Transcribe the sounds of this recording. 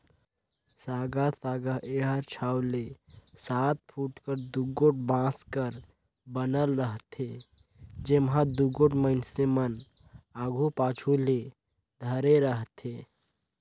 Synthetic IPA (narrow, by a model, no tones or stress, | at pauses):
saɡasaɡaʔeɦəɾt͡ʃʰawlesat̪̚pʰuʈkəɾd̪uɡoʈ̚bãskəɾ | bənəlɾəɦt̪ʰe | d͡ʒemɦãd̪uɡoʈməɪnsemənaɡʱupat͡ʃʰule | d̪ʱəɾeɾəɦt̪ʰe